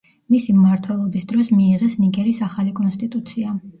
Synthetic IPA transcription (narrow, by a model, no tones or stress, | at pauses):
misimːaɾt̪ʰwɛlˠɔbisd̪ɾɔsmiːʁɛsniɡɛɾisaχalikʼɔnst̪ʼit̪ʼut̪sʰia